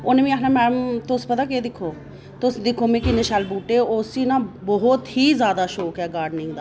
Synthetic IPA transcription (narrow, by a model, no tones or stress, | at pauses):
ʊneʋĩːaknãːmɛ̃ːnəmt̪ʊspət̪aːkeːd̪ɪkʰːoː | t̪ʊsd̪ɪkʰːoːmẽːkɪnɪʃalbuːʈeːʊsiːnãːbɔɦʊt̪ɦiːzjaːd̪aːʃoːkɛːɡaːɾɖnɪ̃ŋɡd̪aː